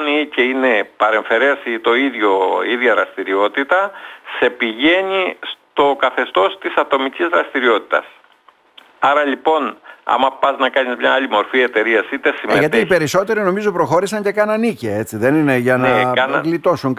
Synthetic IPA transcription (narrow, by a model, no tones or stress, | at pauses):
niceine̞pɐɾe̞ɱfe̞ɾe̞st̪o̞iðʝo̞iðʝɐɾɐst̪iɾio̞t̪it̪ɐse̞piʝe̞ɲist̪o̞kɐθe̞st̪o̞st̪isɐt̪o̞micizðɾɐst̪iɾio̞t̪i̥t̪ɐ̰s | ɐɾɐlipo̞nɐ̰mɐpɐznɐkɐɲizmɲɐɐlimo̞ɾfie̞t̪e̞ɾiɐsit̪e̞simeʝɐt̪iːpe̞ɾiso̞t̪e̞ɾino̞mizo̞pɾo̞xo̞ɾisɐɲce̞kɐnɐnicee̞t͡siðe̞nine̞ʝɐnɐɣlit̪o̞suŋk